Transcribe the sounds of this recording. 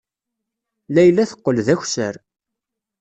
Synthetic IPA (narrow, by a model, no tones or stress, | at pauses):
læjlːæθə̥qːəlðæçsə̰ɾ